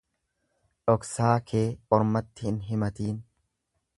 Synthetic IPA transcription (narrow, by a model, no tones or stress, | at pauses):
ᶑɔksaːkʰeːɔɾmɐt̪ːɪɪnɦɪmɐt̪iːn